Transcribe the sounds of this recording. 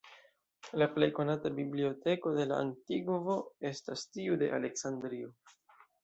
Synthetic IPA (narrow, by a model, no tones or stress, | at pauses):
laple̞jko̞natabiblio̞te̞ko̞de̞la̰a̰ntiɡvo̞e̞stastiude̞̰ʔa̰le̞ksandɾio